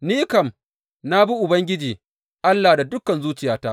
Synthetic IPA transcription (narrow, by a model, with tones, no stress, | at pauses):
niː˦kɐ˨m | na˦bi˦ʔʊ˨bɐ˦ŋɡʲɪ˦d͡ʒiː˨ | ʔa˦lːaː˨da˨dʊ˦kɐ˨nzuː˦t͡ʃɪ˨jaː˦taː˦ʔ